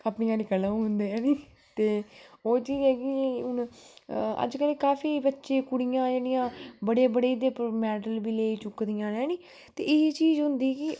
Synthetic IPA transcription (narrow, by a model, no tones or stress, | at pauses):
əpnɪjãːnɪkəlãːɦʊnd̪eːɛːniː | t̪eːoːt͡ʃiːzɛːkɪʊn | ə̰d͡ʒkəlkaːfʰiːbətːʃeːkʊɽɪjãːd͡ʒeːɽɪjãːbəɽeːbəɽeːd̪eːpɾmɛːɖəlbiːleːiːt͡ʃʊkːd̪ɪjãːnɛ̃ːniː | t̪ḛːɪt͡ʃiːzɦʊnd̪iːkɪ